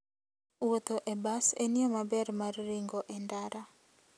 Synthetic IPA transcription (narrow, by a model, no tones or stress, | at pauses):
wot̪oʔebasenɪɔmabɛrmarːiŋɡɔʔɛndaɾa